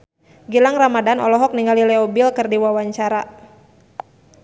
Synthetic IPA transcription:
ɡilaŋramadanɔ̰lɔɦɔk̚niŋɡalilɛɔbilkɨrdiwawaɲt͡ʃaɾa

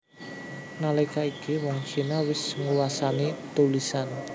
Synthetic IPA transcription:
nalekaikiwɔŋt͡ʃinawɪsŋuwasanet̪ulisan

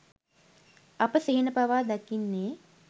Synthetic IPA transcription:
ɐpəsiɦinəpaʋaːd̪akinːeː

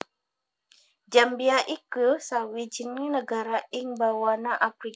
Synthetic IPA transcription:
d͡ʒambiaʔikusawid͡ʒinŋinəɡaɾaiŋbawanaʔafɾi

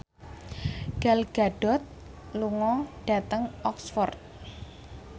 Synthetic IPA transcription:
ɡ̥alɡ̥aɖ̥ɔ̤t̪̚ | luŋɔɖ̥a̤t̪əŋɔksfɔrt̪̚

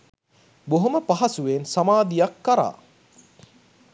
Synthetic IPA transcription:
boɦoməpaɦɐsuʋensamaːd̪ijakːaɾa̰ː

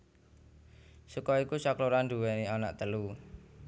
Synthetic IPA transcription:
sukɔikusakluɾand̪ṳwɛniana̰ʔt̪əlu

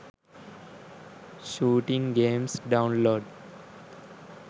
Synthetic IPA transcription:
ʃuːʈɪ̃ŋɡẽːmsɖãʊ̃nloːɖ

